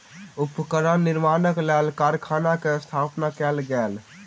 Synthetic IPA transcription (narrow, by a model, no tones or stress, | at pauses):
upkəɾənniɾmanəklɛlkaɾkʰanakeəst̪ʰapnakɛlɡɛːl